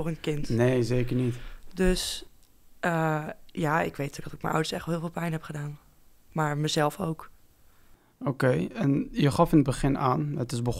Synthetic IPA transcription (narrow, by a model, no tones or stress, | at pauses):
ɔχənkɪntnejzeːkəɹnitdøs | ʔəjaːɪ̰kʋejtʰyəɡdɑtɪk̚mə̰nʔʌ̰wdəɹsɛχtɦɪːlˠfɪːlˠpɛjnɦɛpχədaːn | maːɹməzɛlˠfowk | okejɛnjəχɑfɪnəd̚bəχɪnaːnətɪzbəχ